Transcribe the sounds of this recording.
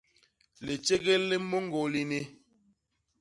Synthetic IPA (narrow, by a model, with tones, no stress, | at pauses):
le˨t͡ʃe˦ɣe˦lːe˦mo˦ŋ˦ɡo˨li˦ne˦